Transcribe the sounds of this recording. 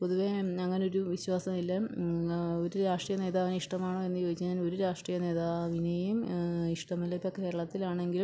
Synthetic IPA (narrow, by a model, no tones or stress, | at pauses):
poðuʋeɐŋːɐne̞o̞ɾuʋiɕwaːsɐmilːɐ | oɾuɾaːʂʈrijɐne̞ːðaːʋinɐiʂʈɐmaːɳoːe̞nːɨd͡ʑoːdit͡ɕːnɐino̞ɾuɾaːʂʈrijɐne̞ːðaːʋinejumiʂʈɐmɐlːɐpːɐke̞ːɾɐɭɐt̪ːilaːɳe̞ŋɡil